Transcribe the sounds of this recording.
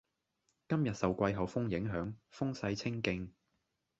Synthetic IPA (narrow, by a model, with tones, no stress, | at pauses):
kɐ˥mjɐ˨t̚sɐ˨wkʷɐ˧jɦɐ˨wfʊ˥ŋjɪ˨˥ŋɦœː˨˥ŋfʊ˥ŋsɐ˧jt͡sʰɪ˥ŋkɪ˧ŋ